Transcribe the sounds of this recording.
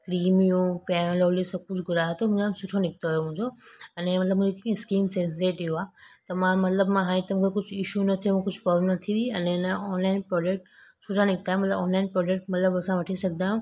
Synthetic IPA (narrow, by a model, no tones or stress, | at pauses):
kɾiːmiũfɛːmlolisɐb̚kʊt͡ʃʰɡʊɾaːɦt̪omũasʊʈʰonɪk̚t̪oɦjomũɦɲd͡ʑoɐnemɐt̪ləbmũːd͡ʑokikskiːmsẽnseːʈːuaːt̪ɐmãmɐt̪ləbmãɦãːĩt̪ɐm̃kʰekʊd͡ʑʰʱɪʃunɐt̪ʰiomũkʊd͡ʑʱpɔbnɐt̪ʰiʋiɐnẽnaɔːnlaːɪnpɾɔːd͡ʒek̚ʈsʊʈʰanɪk̚t̪aːɦjũmɐt̪ləbɔːnlaɪnpɾɔːd͡ʒek̚ʈmɐt̪ləbɐsãʋɐʈʰisɐɡ̚d̪aɦũ